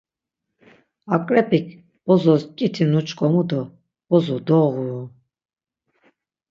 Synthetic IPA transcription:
akʼɾɛpʰikʰ | b̥ɔzɔskʼit̪ʰinut͡ʃʼkʼɔmud̪ɔ | bɔzɔd̪ɔʁu

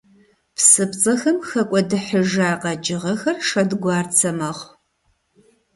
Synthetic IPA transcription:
psɨpt͡sʼɐxɐmxɐkʷʼɔdɨħəʒaːqɐd͡ʒʼɪʁɐxɐrʂɐdɡʷɑːrt͡sʰɐmɐχʷ

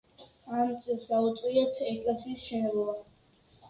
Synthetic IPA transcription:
amt̪sʼɛlˠsɡaut̪sʼiɛt̪ʰɛkʼlɛsiːsʃɛnɛblˠɔba

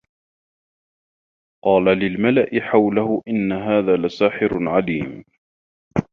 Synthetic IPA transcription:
qɑːlalɪlmalaʔɪħawlahʊʔɪnːaɦaːðaːlasaːħɪɾʕaliːm

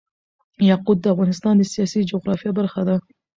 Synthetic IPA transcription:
jɑqud̪̚ːəafɣɑnɪst̪ɑːnd̪əsijɑsid͡ʒoɣɾɑfijabaɾxad̪a

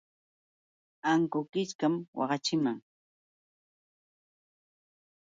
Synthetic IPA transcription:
aŋkʊkɪt͡ʃkamwɑ̰ɢɑt͡ʃɪmaŋ

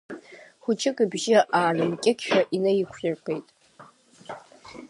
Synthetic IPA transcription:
χʷʊt͡ʃʰɪkʼɨbʒɪʔaːnɨmkʲʼɪkʲʰʃᶣaʔinajɪkʷʰrɪrkʷʰejtʼ

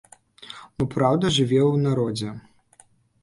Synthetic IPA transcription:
bɔpɾawd̪ɐʐɨvʲɛwnaɾɔd͡zʲɛ

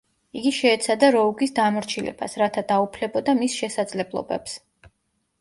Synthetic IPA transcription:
iɡiʃɛːt̪sʰad̪aɾɔuɡisd̪amɔɾt͡ʃʰilɛ̰ba̰sɾat̪ʰad̪aupʰlɛbɔd̪amisʃɛsad̪zlɛblˠɔ̰bɛps

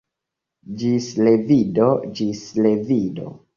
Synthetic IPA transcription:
d͡ʒisle̞vidod͡ʒisle̞vido̰

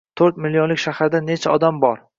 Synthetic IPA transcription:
t̪ʰoɾt̪̚mɪlːionlɪkʲʃahaɾd̪ane̞t͡ʃʰaɒd̪ambɒɾ

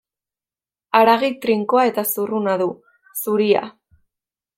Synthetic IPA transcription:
aɾaɣit̪ɾiŋkoae̞t̪asurunaðu | suɾia̰

